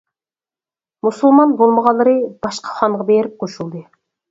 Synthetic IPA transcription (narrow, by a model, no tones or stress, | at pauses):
musulˠmɑnbolˠməʁɑlˠːɨɾɨb̥ɑʃqɑ̥χɑɴʁɑbeɾɪp̚qʰoʃulˠd̪ɨ